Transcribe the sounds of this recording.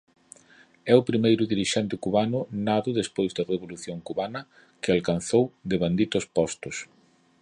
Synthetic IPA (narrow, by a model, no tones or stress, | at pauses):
ɛʊpɾimejɾʊðiɾiʃɛnt̪ɪkuβanʊnaðʊðespojzðɐreβ̞oluθjoŋkuβanɐ | kɪalkanθowd̪ɪβand̪it̪ʊspɔst̪ʊs